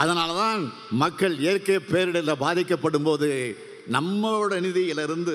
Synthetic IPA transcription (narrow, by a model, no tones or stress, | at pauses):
ʔɐðɐnaːlɐt̪aːn | mɐkːɐɭeːɐɾkeːpeːɾɪɽɐlɐbaːðɪkːɐpːɐɽɯmpoːðɯ | nɐmːɐɽɐnɪðɪɪlɐɾɯnd̪ɯ